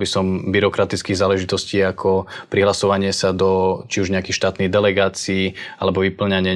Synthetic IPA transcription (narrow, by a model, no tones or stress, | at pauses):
bisɔmbiɾɔkɾat̪it͡skiːɣzaːlɛʒit̪ɔsciːakʰɔpɾiɦlasɔʋaɲɪɛsad̪ɔt͡ʃiuʒɲɛakixʃt̪aːt̪niɣd̪ɛlɛɡaːt͡siːa̰lɛbɔʋipl̩ɲaɲɪɛ